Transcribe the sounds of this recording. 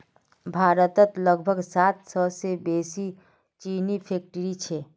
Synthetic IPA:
bʱaːɾət̪ət̪ləɡbʱəɡsat̪səsebesi | t͡ʃinipʰek̚ʈəɾit͡ʃʰe

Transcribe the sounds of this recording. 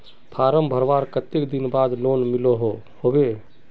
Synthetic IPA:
pʰaɾəmbʱəɾʋaɾkət̪ːekd̪inbad̪lonmiloɦo | hobe

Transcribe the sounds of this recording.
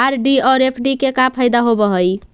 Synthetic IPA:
aɾɖiɔɾepʰɖikekapʰajd̪aɦobəɦəj

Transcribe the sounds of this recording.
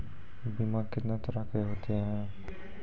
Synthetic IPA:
bimãkɪt̪nat̪əɾakeɦoːt̪eɦɛ̃ː

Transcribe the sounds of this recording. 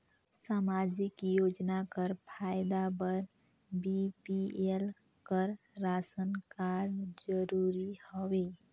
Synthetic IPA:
samad͡ʒikjod͡ʒnakəɾpʰajd̪abəɾ | bipiel | kəɾː | asənkaɾnd͡ʒəɾuɾihɔʋe

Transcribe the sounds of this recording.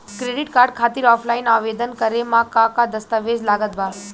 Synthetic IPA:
kɾeɖiʈkaɾɖkʰat̪iːɾɔflainaʋed̪ənkəɾemakakad̪əst̪əʋed͡zlaɡət̪ba

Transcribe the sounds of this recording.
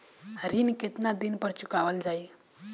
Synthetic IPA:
ɾinket̪nad̪inpəɾt͡ʃʊkaʋəld͡ʒaj

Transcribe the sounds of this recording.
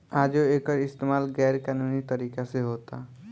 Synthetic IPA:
ad͡ʒoekɔɾist̪emalɡɛɾkanunit̪ɔɾikaseɦot̪a̰

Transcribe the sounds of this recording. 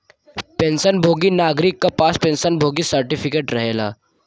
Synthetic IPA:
pẽːnsənbʱoːɡinaːɡɾɪkːapaːspẽːnsənbʱoːɡisəɾʈɪpʰɪkeːʈɾɐɦeːla̰ː

